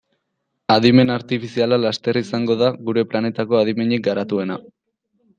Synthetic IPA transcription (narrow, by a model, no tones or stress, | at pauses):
aðime̞naɾt̪ifisialalast̪e̞risaŋɡo̞ðaɣuɾe̞plane̞t̪ako̞að̞ime̞ɲek̚ɡaɾat̪ue̞na